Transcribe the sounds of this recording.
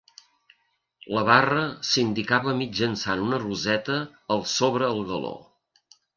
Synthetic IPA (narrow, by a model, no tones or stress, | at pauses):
ləβ̞arəsind̪ikaβəmid͡ʒənsanunəruzɛt̪əːlˠsoβ̞ɾəːlˠɣəlo̰